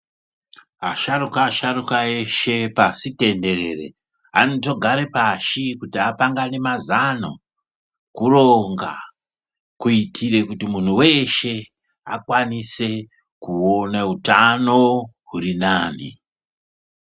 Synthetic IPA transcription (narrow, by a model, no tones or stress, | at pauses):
aʃarukaːʃaɾukaeʃe̞pasite̞nde̞re̞re̞̰ | a̰noto̞ɡʱaɾe̞paʃikutiapaŋɡane̞mazano̰ | kuroŋɡa̰ | kuitʰire̞kutimun̤uwe̞ʃe̞ | akwanise̞ | kuonautano̞ɦuɾinaːnḭ